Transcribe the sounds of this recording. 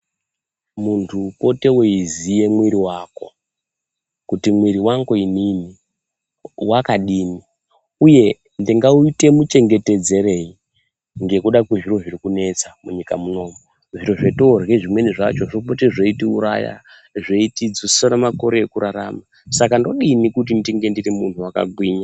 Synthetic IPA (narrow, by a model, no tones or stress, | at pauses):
muntʰupo̞te̞woizije̞mwiɾiwako̞̰ | kutimwiɾiwaŋɡoinini | wakaɗiːni | uje̞ | ndiŋɡauite̞mut͡ʃe̞ŋɡe̞te̞d͡ze̞re̞i | nɡe̞kuɗakweʐiro̞ʐirikune̞t͡samuɲikamuno̞ːmo | ʐiro̞ʐetorɣeʐimwe̞niʐat͡ʃo̞ʐopoteʐeitiuɾa̰ja̰ | ʐeitid͡zussanamako̞ɾe̞ekuɾaɾa̰ma | sakando̞ɗinikut̬indiŋɡe̞ndirimuntuwaka̰ɡʱwiːɲa